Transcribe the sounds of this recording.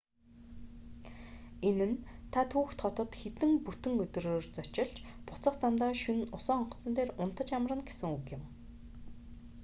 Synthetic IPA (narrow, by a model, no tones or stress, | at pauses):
enɘ̆nt̪ʰat̪ʰuːxt̪χɔt̪ɞ̆t̪xet̪ɘ̆ŋput̪ɘ̆ŋɵt̪ɵ̆roːrt͡sɔt͡ɕɪ̆ɮt͡ɕpʊ̥t͡sə̆χt͡samt̪aːʃɵnʊsɔːɔɴq̆ʰt͡sə̆nt̪eːrʊn̥t̪ə̆t͡ɕamə̆rə̆nɡesɘ̆ŋukjɪ̆m